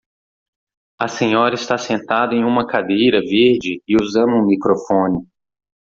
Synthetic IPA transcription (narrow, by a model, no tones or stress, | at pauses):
ɐsẽɲɔɾɐɪst̪asẽnt̪ad̪ɐẽj̃ũmɐkad̪ejɾɐveɾd͡ʒɪɪuzɐ̃nʊũmikɾofõnɪ